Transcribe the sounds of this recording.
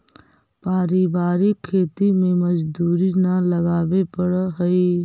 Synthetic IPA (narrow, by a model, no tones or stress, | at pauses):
paːɾibaːɾikʰːeːt̪imẽməd͡ʒd̪uːɾinaləɡaːʋepəɽɦəi